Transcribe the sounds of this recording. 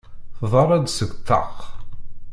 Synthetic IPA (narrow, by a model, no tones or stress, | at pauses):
θðˤəɾˤæd̪səɡʷt̪ːɑ̰ʁ